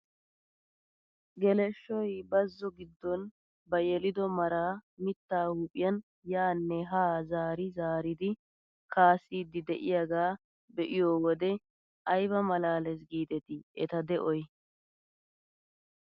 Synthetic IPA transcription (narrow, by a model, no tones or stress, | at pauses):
ɡɛlɛʃːɔjbɐzːɔɡɪd̪ːɔn | bɐjɛlɪd̪ɔmɐɾaːmɪt̪ːaːhuːpʼɪjɐn | jaːnːɛɦaːzaːɾɪzaːɾɪd̪ɪ | kaːsiːd̪ːɪd̪ɛʔɪjaɡaː | bɛʔɪjoːwɔd̪ɛ | ɐjbɐmɐlaːlɛs̬ɡiːt̪ɛt̪ɪʔɛt̪ɐd̪ɛʔɔj